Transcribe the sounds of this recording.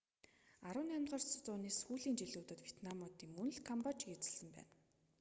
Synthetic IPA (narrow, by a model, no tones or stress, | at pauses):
aɾʊ̆ːnamʲt̪ʁɔːrst͡sʊːneːsxuːɮiːnt͡ɕiɮuːt̪ə̆t̪wʲet̪namɔːt̪iːŋmɵn̆ɮkʰɔmpɔt͡ɕɡet͡sɘ̥̆ɮsə̆mpæ̰ːn